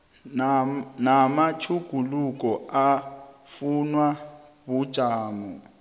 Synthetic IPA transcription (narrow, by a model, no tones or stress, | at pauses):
namat͡ʃʰuɡ̥ʱuluk̬ʼɔafunwa | βud̥ʒ̥ʱaːmɔ